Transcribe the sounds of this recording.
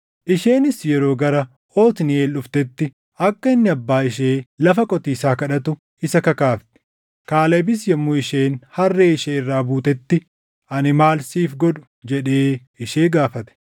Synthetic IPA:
ʔɪʃe̞ːnɪsjɛɾo̞ːɡɐɾɐ | o̞ːt̪ɪnɪeːlʊft̪ɛt̪ːɪ | ɐkːɐɪnːɪɐbːaːɪʃeːlɐfɐkʼɔt̪iːsaːkɐᶑɐt̪ʊ | ɪsɐkɐkaːft̪ɛ̥ | kaːlɐbɪs̬jɛmːʊɪʃeːnhɐrːeːɪʃeːɪrːaːbuːt̪ɛt̪ːɪ | ɐnɪmaːlsiːfɡɔᶑʊ̥ | d͡ʒɛᶑeː | ɪʃeːɡaːfɐt̪ɛ̥

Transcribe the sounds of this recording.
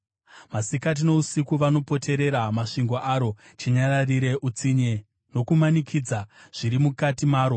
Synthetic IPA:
masikat̬ino̞usikuʋano̞po̞tʰe̞ɾe̞ɾamaʂiŋɡo̞ʔaɾo̞ | t͡ʃiɲaɾariɾe̞ʔut͡siɲe | no̞kumanikʰiːd͡zaʐ̥iɾimukatimaːɾo̞

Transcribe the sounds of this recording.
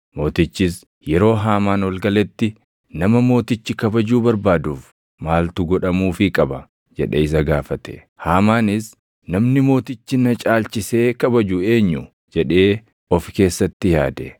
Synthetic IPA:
mo̞ːt̪ɪt͡ʃːɪs | jɛɾo̞ːɦaːmaːnwɐlɡɐlɛt̪ːɪ | nɐmɐmo̞ːt̪ɪt͡ʃːɪkɐbɐd͡ʒuːbɐɾbaːd̪uːf | maːlt̪ʊɡɔᶑɐmuːfɪkʼɐbɐ | d͡ʒɛᶑḛːɪs̬ɐɡaːfɐt̪ɛ̥̰ | haːmaːnɪs | nɐmnɪmo̞ːt̪ɪt͡ʃːɪnɐt͡ʃʼaːlt͡ʃɪse̞ːkɐbɐd͡ʒuːe̞ːɲːʊ | d͡ʒɛᶑe̞ː | ɔfke̞ːsːɐt̪ːɪja̰ːd̪ɛ̰

